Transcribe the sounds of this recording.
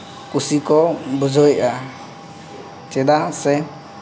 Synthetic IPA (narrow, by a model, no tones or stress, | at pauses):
kusikɔbud͡ʒɔjʔa | t͡ʃɛd̪asɛ